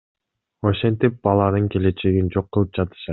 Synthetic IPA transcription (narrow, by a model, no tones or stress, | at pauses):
o̞ʃe̞nt̪ip̚bɑlˠɑnɯŋke̞le̞t͡ʃe̞ɡind͡ʒo̞qːɯlˠɯp̚d͡ʒɑt̪ɯ̥ʃɑ